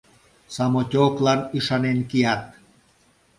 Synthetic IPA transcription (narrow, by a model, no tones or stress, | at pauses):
sɑmotʲoklɑniʃɑnenkijɑt̪̚